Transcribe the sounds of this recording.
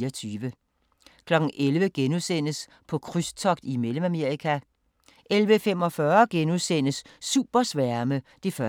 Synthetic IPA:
ɐt͡sʰyːʋə | kʰlɒ̽ɡ̥n̩ʔelʋəɡ̥enuðˠsen̰əs | pʰɒ̽kʰʁyst͡sʰɒ̽ɡ̥d̥imeləmæme̝ɐikʰæ | ʔelʋəfem̰ɒ̽fɶɐɡ̥enuðˠsen̰əsːṵːb̥ɐsʋæɐməd̥e̝fɶ

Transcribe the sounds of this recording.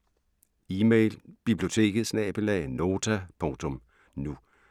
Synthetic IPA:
iːmeɪlb̥ib̥lio̝t͡sʰe̝̰ːɡ̥ð̩ˠsnɛ̰ːb̥elɛno̝ːt͡sʰæpʰɔ̽ŋt͡sʰɔ̽m | nu

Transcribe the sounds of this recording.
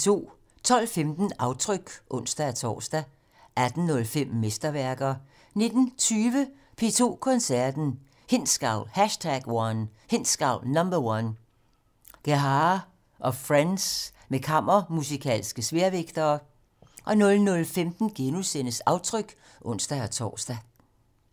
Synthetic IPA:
t͡sʰo̝̰ː | t͡sʰɒ̽l̰femd̥n̩ɑ̈ʊt͡sʰʁœɡ̥ʔɔ̽n̰sd̥ææt͡sʰɒ̰ːsd̥æ | æd̥n̩nɔ̽lfem̰ːesd̥ɐʋæɐɡ̥ɐ | ne̝d̥n̩t͡sʰyːʋə | pʰe̝ːt͡sʰo̝̰ːkʰɒ̽nsæɐd̥n̩ | he̝n̰sɡ̥ɑ̈ʊ̰lhæʃtʰæɡ̥wɒnhe̝n̰sɡ̥ɑ̈ʊ̰lnɒmb̥ɐwɑn | ɡ̥eɦɑ | ʔɒ̽fʁans | mekʰɑ̈m̰ɐmusikʰɛ̰ːlsɡ̥əsʋe̝ɐʋeɡ̥d̥ɐː | ʔɒ̽nɔ̽lnɔ̽lfemd̥n̩ɡ̥enusenəsɑ̈ʊt͡sʰʁœɡ̥ | ʔɔ̽n̰sd̥ææt͡sʰɒ̰ːsd̥æ

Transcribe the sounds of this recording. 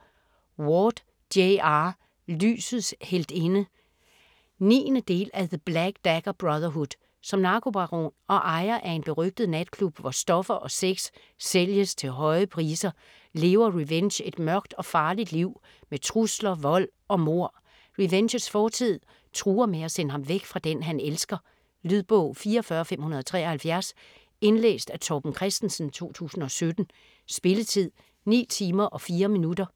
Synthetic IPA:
wɔːd̥ | eɑ | ly̰ːsð̩ˠshel̰d̥e̝nə | nḭːnəd̥e̝̰ːlæðəb̥læɡ̥d̥æɡ̥ɐb̥ʁɑðˠɐɦud̥ | sɒ̽mnɑ̈kʰo̝b̥ɑʁo̰nɒ̽ʔɑ̈ɪɐʔæɐe̝nb̥e̝ʁœɡ̥̚d̥ð̩ˠned̥̚kʰlub̥ʋɒsd̥ɒ̽fɐʔɒ̽seɡ̥sː | eljəst͡sʰe̝lɦɒ̽ɪəpʰʁiːsɐ | le̝ːʊɐʁiʋenɕe̝d̥mɶɐɡ̥̚d̥ɒ̽fɑ̈ːlid̥liʊ̰ | met͡sʰʁuslɐʋɒ̽l̰ɒ̽mo̝ɐ̰ | ʁiʋenɕəsfɒːt͡sʰið̞̰ˠ | t͡sʰʁuːɐmeæsenəhɑ̈mʋeɡ̥fʁɑ̈d̥enɦænelsɡ̥ɐ | lyðˠb̥ɔʊ̰fiːɐɒfɶːɐɒfem̰hunɐð̞ˠt͡sʰʁɛ̰ːɐhælfjæɐs | e̝nlḛːsd̥æt͡sʰɒb̥n̩kʰʁɛsd̥n̩sn̩t͡sʰo̝̰ːt͡sʰṵːsn̩ɒ̽sød̥n̩ | sb̥e̝lət͡sʰið̰ˠ | nḭːt͡sʰiːmɐʔɒ̽fiːɐminud̥ɐ

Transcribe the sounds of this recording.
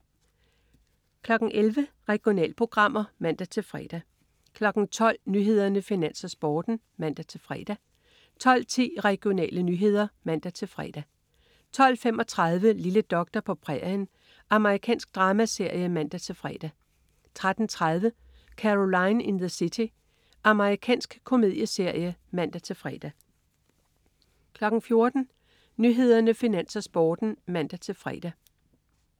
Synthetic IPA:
kʰlɒ̽ɡ̥n̩ʔelʋə | ʁɛɡ̥jo̝nɛ̰ːlpʰo̝ɡ̥ʁɑ̈m̰ɐmæn̰d̥æt͡sʰe̝lfʁɛ̰ːd̥æ | kʰlɒ̽ɡ̥n̩t͡sʰɒ̽l̰nyɦe̝ð̞̰ˠɐnəfinæn̰sɐsb̥ɒːd̥n̩ | mæn̰d̥æt͡sʰe̝lfʁɛ̰ːd̥æ | t͡sʰɒ̽l̰t͡sʰḭːʁɛɡ̥jo̝nɛ̰ːlənyɦe̝ð̞̰ˠɐmæn̰d̥æt͡sʰe̝lfʁɛ̰ːd̥æ | t͡sʰɒ̽l̰fem̰ʔɒ̽t͡sʰʁɑð̞ˠʋəliləd̥ɒ̽ɡ̥̚d̥ɐpʰɒ̽pʰʁɛn | ʔɑ̈məʁikʰɛ̰ːnsɡ̥̚d̥ʁɑ̈ːmæse̝ɐ̰jəmæn̰d̥æt͡sʰe̝lfʁɛ̰ːd̥æ | t͡sʰʁad̥n̩t͡sʰʁað̞ˠʋə | kʰæʁo̝lɑ̈ɪninðəsit͡sʰi | ʔɑ̈məʁikʰɛ̰ːnsɡ̥kʰo̝me̝ð̞̰ˠjəse̝ɐ̰jəmæn̰d̥æt͡sʰe̝lfʁɛ̰ːd̥æ | kʰlɒ̽ɡ̥n̩fjo̝ɐd̥n̩ | nyɦe̝ð̞ˠɐnəfinænsɐsb̥ɒːd̥n̩mæn̰d̥æt͡sʰe̝lfʁɛ̰ːd̥æ

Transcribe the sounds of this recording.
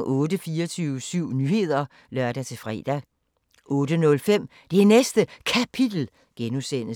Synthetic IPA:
ɔːd̥əfiːɐt͡sʰyːʊəsyʊ̰nyhe̝ð̞̰ˠɐ | lɶɐd̥æt͡sʰe̝fʁɛ̰d̥æ | ʔɔ̽ːdənɔ̽lfem̰ | d̥enesd̥əkʰæpʰid̥l̩ | ɡ̥enusen̰

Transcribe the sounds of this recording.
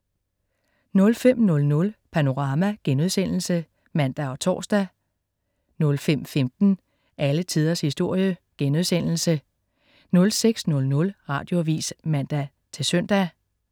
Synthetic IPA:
nɔ̽lfem̰nɔ̽lnɔ̽lpʰæno̝ʁɑ̈mæɡ̥enuðˠsen̰l̩sə | mæn̰d̥æɒ̽t͡sʰɒ̰ːsd̥æ | nɔ̽lfem̰femd̥n̩ | ʔælət͡sʰiːð̞ˠɐshisd̥o̝ɐ̰jəɡ̥enuðˠsen̰l̩sə | nɔ̽lseɡ̥snɔ̽lnɔ̽lʁɑ̈ːd̥jo̝ʋḭːsmæn̰d̥æ | t͡sʰe̝sœn̰d̥æ

